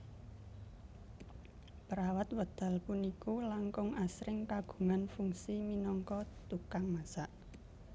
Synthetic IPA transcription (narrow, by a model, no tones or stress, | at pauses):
pəɾawat̪wəd̪̥a̤lpunikulaŋkʊŋasɾɪŋkaɡ̥ṳŋanfuŋsiminɔŋkɔt̪ukaŋmasaʔ